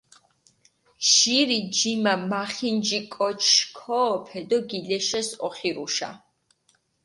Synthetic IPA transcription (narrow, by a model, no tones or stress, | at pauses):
ʃiɾid͡ʒimamaχind͡ʒikʼɔt͡ʃʰkʰɔːpʰɛd̪ɔɡilɛʃɛsɔχiɾuʃa̰